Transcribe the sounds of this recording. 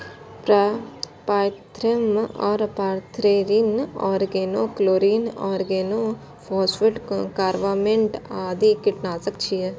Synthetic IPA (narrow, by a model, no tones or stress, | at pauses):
p | paːt̪ʰɾəmɔːɾpaːɾt̪ʰɾeɾinɔːɾɡeːnokloːɾiːnɔːɾɡeːnoː | pʰɔːsʋɪʈkaːɾʋaːmẽɳʈaːd̪ikɪʈnaːsək̚t͡ʃʰiɛː